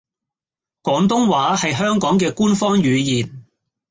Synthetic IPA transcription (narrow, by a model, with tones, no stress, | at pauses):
kɔː˨˥ŋt̪̬ʊ˥ŋwaː˨˥hɐ˨jɦœː˥ŋkɔː˨˥ŋk̬ɛː˧kuː˥nfɔː˥ŋɥyː˨˧jiː˨n